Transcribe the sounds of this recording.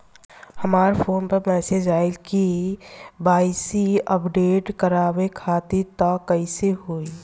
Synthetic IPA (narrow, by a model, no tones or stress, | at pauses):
həmaːɾpʰoːnpəɾmɛːsed͡ʒaːilki | baːɪsiəpɖeːʈkəɾaːwekʰaːt̪it̪ɔkːəiseɦoːi